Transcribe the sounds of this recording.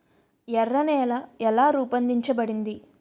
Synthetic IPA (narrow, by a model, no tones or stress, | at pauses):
jɛrːɐnɛːlɐɛlaːɾuːpɐnd̪iɲt͡ʃɐbɐɽind̪i